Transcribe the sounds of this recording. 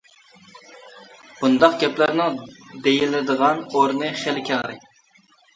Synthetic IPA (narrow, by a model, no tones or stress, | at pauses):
b̥und̪ɑqɡʲɛplæɾnɪŋd̪ejilɪd̪əʁɑnoɾnɨχelɪkʲʰɛŋɾɛ̰kʲ